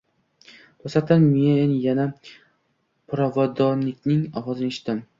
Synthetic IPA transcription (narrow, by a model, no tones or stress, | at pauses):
posat̪anmenjana | pʰʊɾavad̪ɒnːɪkʲnɪŋɒwɒzɪneʃɪt̪ɪm